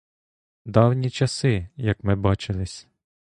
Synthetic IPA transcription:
d̪ɑwnʲit͡ʃɐsɪjɐkmɪbɑt͡ʃɪlˠɪsʲ

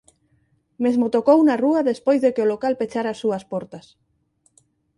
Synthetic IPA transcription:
mezmot̪okownaruɐðespojzðekɪolokalpet͡ʃaɾaːsːuɐspɔɾt̪ɐs

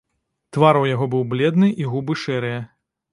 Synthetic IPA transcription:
t̪vaɾɐwjaɣɔbɨwblʲɛd̪nɨʔiɣubɨʂɛɾɨjɐ

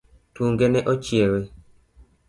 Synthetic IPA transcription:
tuŋɡenɛʔot͡ʃjewe

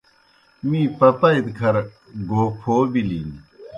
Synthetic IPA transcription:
mĩːpɐpaid̪kʰɐɾ | ɡʱoːkʰoːbiliːni

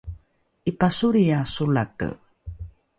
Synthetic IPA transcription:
ʔipasuɾiasulat̪ə̰

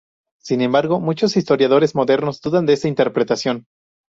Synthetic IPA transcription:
sinẽ̞mbaɾɣo̞mut͡ʃo̞sist̪o̞ɾjaðo̞ɾe̞zmo̞ðe̞ɾno̞zd̪uðand̪eesaint̪e̞ɾpɾe̞t̪asjo̞n

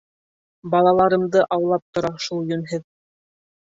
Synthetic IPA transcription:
bɑlˠɑlˠɑɾɤ̆md̪ɤʔɑwlˠɑp̚t̪ŏɾɑʃulˠjɵ̆nɦɘð

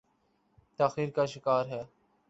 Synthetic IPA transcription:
t̪aːxiːɾkaːʃɪkaːɾɦɛː

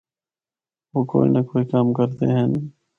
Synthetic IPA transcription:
ʋoːko̰ːḭnəkoːikamkəɾt̪eːɦən

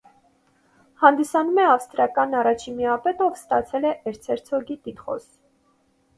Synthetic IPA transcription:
hɑnd̪isɑnumɛɑfst̪ɾɑkɑnɑrɑt͡ʃʰimiɑpɛt̪ɔvst̪ɑt͡sʰɛlɛʔɛɾt͡sʰɛɾt͡sʰɔɡit̪it̪χɔ̰s

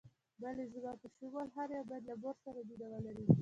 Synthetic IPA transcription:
balezəbɑpəʃiwalɦaɾjabɑjad̪laboɾsaɾabid̪awalaɾi

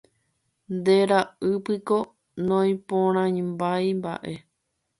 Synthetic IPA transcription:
nd̪e̞ɾaɨpɨko̞ | nõj̃põɾ̃ãɲmbajmba̰ʔe̞

